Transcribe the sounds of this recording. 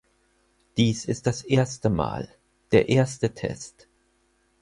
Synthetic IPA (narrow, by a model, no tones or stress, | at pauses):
d̥iːsɪst̚d̥asʔeːɐstəma̰ːl | d̥eːɐʔeːɐstətʰɛ̰st